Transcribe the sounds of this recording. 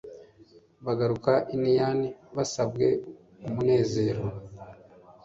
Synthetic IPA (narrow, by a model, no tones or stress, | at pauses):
βaɡaɾukaʔinijaniβasabɡe̞ | umune̞ːze̞ːɾo